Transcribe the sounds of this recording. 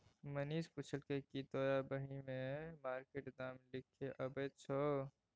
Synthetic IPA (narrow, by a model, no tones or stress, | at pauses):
məniːspʊt͡ʃʰəlkekit̪oːjabəɦimẽmaːɾkeʈd̪aːmlɪkʰːeʔəbeːt͡ʃʰɔ